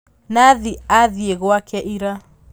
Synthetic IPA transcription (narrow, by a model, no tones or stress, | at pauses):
naðiaðieɣwakɛʔiɾa